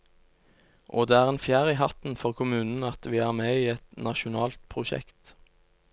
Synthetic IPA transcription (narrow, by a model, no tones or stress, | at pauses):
ʔoːd̪eːæːʁeːnfjæːʁiːɦɑt̪n̩fɔʁkʰʊmʉːnn̩ɑt̪ʋiːæːʁmeːiːɛt̪nɑʃʊnɑːlt̪̚pʰʁʊʃɛ̰kt̪